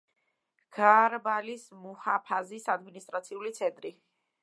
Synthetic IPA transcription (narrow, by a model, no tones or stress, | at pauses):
ɡ̥aɾbalismuhapʰazisad̪minist̪ʼɾat̪sʰiulit̪sʰɛnt̪ʼɾi